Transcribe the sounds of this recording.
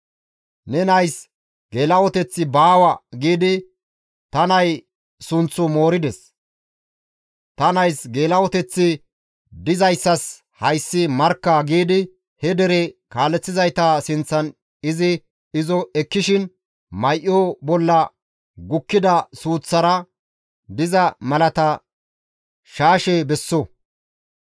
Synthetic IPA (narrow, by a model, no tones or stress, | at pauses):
nɛnɐjs | ɡ̥e̞ːlɐwɔt̪ɛt͡sːɪbaːwɐɡiːd̪ɪ | t̪ɐnɐj | sʊnt͡sːʊmo̞ːɾɪd̪ɛs | t̪ɐnɐjsɡe̞ːlɐwɔt̪ɛt͡sːɪ | d̪ɪzɐjsːɐs | hɐjsːɪmɐɾkːɐɡiːd̪ɪ | hɛd̪ɛɾɛkaːlːɛt͡sːɪzɐjt̪ɐsɪnt͡sːɐn | ɪzɪ | ɪzɔɛkːɪʃɪn | mɐjʔjoːbɔlːɐ | ɡʊkːɪd̪ɐsuːt͡sːɐɾɐ | d̪ɪzɐmɐlɐt̪ɐ | ʃaːʃɛbɛsːɔ